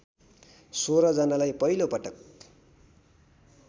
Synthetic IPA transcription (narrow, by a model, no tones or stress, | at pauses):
soɾʌd͡zʌnalajpʌɦilopʌʈʌk